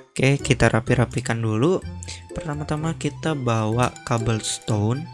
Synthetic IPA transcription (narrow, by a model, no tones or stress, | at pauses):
kajkit̪aɾʔapiɾapikandulupərt̪amat̪amakit̪abawakabəlst̪on